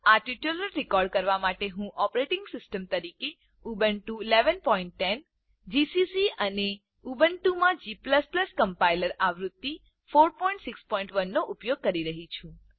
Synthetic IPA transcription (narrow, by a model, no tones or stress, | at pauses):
aʈiʈjuləɾːɪkɔɾɖ̚kəɾʋamaʈeɦũʔɔpɾeʈɪŋɡsɪsʈəmt̪əɾike | ubəɳʈuileʋənpɔiɳʈ̪ːɛn | d͡ʒisisiʔəne | ubəɳʈumãd͡ʒipləspləskəmpailəɾaʋɾud̪ːi | foɾpɔĩɳʈsɪkspɔĩɳʈʋənːoʔupjoɡ̚kəɾiɾəɦit͡ʃʰũ